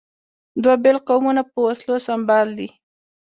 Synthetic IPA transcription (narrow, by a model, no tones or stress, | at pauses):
d̪wabelqawmunapəwaslosambɑld̪i